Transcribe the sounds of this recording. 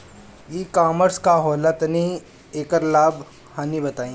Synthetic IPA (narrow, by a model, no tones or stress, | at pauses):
jiːkaːməɾskaɦɔːlət̪nĩ | eːkəɾlaːb | haːnibɐt̪aːĩː